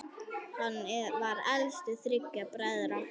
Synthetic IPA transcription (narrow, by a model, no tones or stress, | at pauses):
hanːvaɾɛlst̪ɪθɾɪkːapɾaðɾa